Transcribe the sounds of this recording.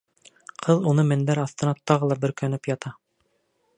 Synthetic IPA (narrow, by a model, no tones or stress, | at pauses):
qʰɤðunɤmæ̆nd̪æɾɑθt̪ɤ̆nɑt̪ɑʁɤlˠɑbɵ̆ɾkænɘpjɑt̪ɑ